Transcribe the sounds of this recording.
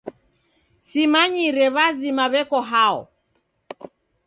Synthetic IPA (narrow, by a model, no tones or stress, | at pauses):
simaɲiɾɛβazimaβɛkɔɦaɔ̰